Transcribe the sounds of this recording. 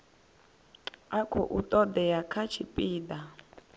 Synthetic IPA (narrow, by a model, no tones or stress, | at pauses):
akʰɔ̰ʔut̪ʼɔd̪ɛjakʰat͡ʃʰipʼiːd̪a